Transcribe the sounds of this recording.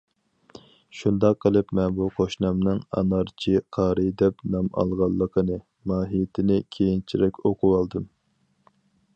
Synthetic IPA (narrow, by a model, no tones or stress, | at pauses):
ʃund̪ɑqʰːəlˠɨpmɛnbuqʰoʃnɑmnɨŋɑ̰nɑɾt͡ʃʰiqʰɑːɾɨd̪ɛpnɑmɑ̰lˠʁɑlˠːəqʰənɨ | mɑːɦijt̪ʰɪnɪkʲʰejint͡ʃʰiɾɛkʲoqʰuwɑlˠd̪ɨm